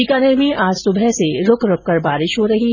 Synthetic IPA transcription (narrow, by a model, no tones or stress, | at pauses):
ikaːneɾmĩʔaːd͡ʒsʊbʱɛseɾʊkɾʊk̚ːɐɾbaːɾɪʃɦoɾɐɦi